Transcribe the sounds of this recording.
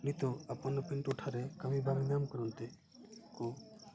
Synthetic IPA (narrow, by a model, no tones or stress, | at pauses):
nit̪ɔapɔnɔpiɳʈuʈʰaɾekəmibʱaɡinamkɔɾɔnt̪e | ko